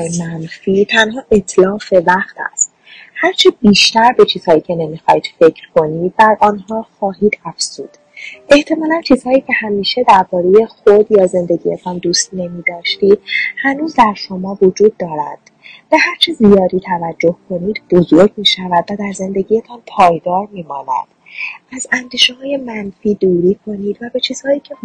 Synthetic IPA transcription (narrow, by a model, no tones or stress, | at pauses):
jemænfiːt̪ʰænɦɒːʔe̞t̪ʰlɒːfe̞væχt̪ʰæ̰st̪ | hæɾt͡ʃʰebiːʃt̪æɾbe̞t͡ʃʰiːz̥hɒːjiːcʰe̞ne̞miːxɒːid̪̥fe̞cʰɾkʰo̞niːd̪̥̚bæɾʔɒnɦɒːxɒːɦiːd̪æfz̥uːd̪̥ | ʔe̞ht̪ʰe̞mɒːlænt͡ʃʰiːz̥hɒːjiːcʰe̞hæmiːʃe̞d̪æɾbɒːɾe̞je̞xod̪jɒːze̞nd̪e̞ɟiːet̪ʰɒnd̪uːst̪ne̞miːd̪ɒːʃt̪iːd̪̥̚hænuːzd̪æɾʃo̞mɒːvod͡ʒuːd̪ːɒːɾæ̰nd̪̥ | b̥e̞hæɾt͡ʃʰezijɒːd̪iːt̪ʰævæd͡ʒːohkʰo̞niːd̪bo̞zoɾɟmiːʃævæd̪væd̪æɾze̞nd̪e̞ɟiːjet̪ʰɒnpʰɒːjd̪ɒːɾmiːmɒːnæ̰d̪̥ | æzænd̪iːʃeɦɒːje̞mænfiːd̪uːɾiːkʰo̞niːd̪væbe̞t͡ʃʰiːz̥hɒːiːcʰe̞